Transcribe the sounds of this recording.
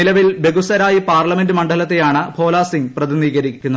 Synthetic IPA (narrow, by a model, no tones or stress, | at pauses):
ilɐʋilbe̞ɣusɐɾaːjipaːrlɐme̞ndɨmɐɳɖɐlɐt̪ːejaːɳɨbʰʱo̞ːlaːsiŋɡprɐðiniːɣɐɾikʲːunːɐ